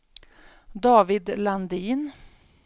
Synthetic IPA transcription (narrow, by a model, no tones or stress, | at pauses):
d̪ɑːvɪd̪land̪iːn